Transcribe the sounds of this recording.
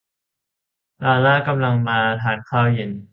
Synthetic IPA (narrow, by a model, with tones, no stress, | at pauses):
ɾaː˧laː˥˩ka˧mla˧ŋmaː˧t̪ʰaː˧nkʰaː˥˩wje˨˩˦n